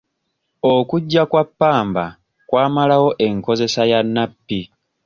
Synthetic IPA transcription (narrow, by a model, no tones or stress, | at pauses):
okuɟːakwapːaːmba | kwaːmalawo̞ʔe̞ŋko̞ze̞sajanːapːi